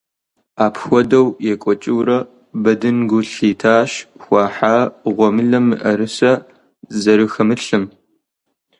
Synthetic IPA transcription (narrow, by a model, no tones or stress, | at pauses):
aːpʰxʷɔdɐwjɛkʷʼɔt͡ʃʼɪwɾɐ | bɐdɨnɡʷʊɬiːtʰaːʃxʷɑːħaːʁʷɔmɨɮɐmːɨʔɐɾɨsɐ | zɐɾɨxɐmɨɬɨm